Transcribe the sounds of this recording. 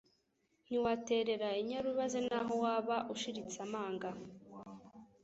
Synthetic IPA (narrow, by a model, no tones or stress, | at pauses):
n̥iwate̞ɾe̞ɾaiɲaɾuβazenaɦo̞waːβaʔuʃiɾit͡samaːŋɡa